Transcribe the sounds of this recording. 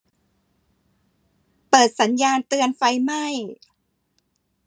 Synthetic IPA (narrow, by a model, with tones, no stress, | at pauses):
pɤː˨˩t̪̚sa˩˦njaː˧nt̪ɯ˧ənfa˧jma˥˩j